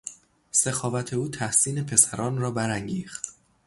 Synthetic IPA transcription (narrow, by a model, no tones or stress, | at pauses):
se̞xɒːvæt̪ʰe̞uːt̪ʰæhsiːne̞pʰe̞sæɾɒːnrɒːbæɾæŋɟiːxt̪